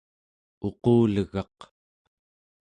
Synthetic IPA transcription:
o̞quːləɣɑq

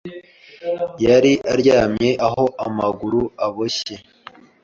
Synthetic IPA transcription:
jaɾiʔaɾɟaːmɲe̞ʔaɦo̞ʔamaɡuɾuaβoɕe

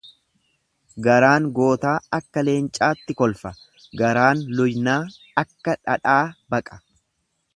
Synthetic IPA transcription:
ɡɐɾaːŋɡo̞ːt̪aːɐkːɐle̞ːnt͡ʃʼaːt̪ːɪkɔlfɐ | ɡɐɾaːnlʊjnaː | ɐkːɐᶑɐᶑaːbɐkʼɐ̥

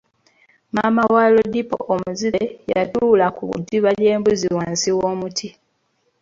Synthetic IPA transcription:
maːmawaːlo̞dipo̰ʔomuziɾeja̰tuːlakuβṵdiβale̞ːmbuziwaːnsiwoːmutʰi

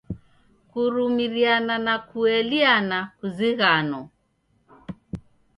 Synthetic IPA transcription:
kuɾumiɾiananakuɛlianakuziɣanɔ

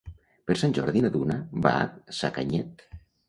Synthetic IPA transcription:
peɾsanʲʒɔɾðinaðunaba̰a̰tsakaɲɛt̪

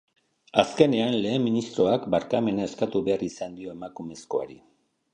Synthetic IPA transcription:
aske̞ne̞anle̞ːmminist̪ɾo̞akbaɾkame̞nae̞skat̪uβe̞arisand̪io̞e̞makume̞sko̞̰a̰ɾi

